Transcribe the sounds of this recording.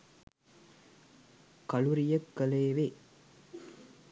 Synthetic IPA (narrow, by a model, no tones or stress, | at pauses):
kɐlʊɾɪjɐkːɐleːʋeː